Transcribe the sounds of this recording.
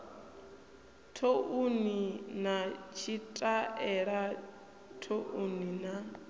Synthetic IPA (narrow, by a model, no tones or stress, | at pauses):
tʰoʔuninat͡ʃʰitʼaɛɺa | tʰoʔunina